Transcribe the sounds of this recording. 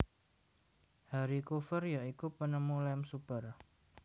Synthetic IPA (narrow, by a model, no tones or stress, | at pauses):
haɾikufərjaʔikupənəmulɛmsupər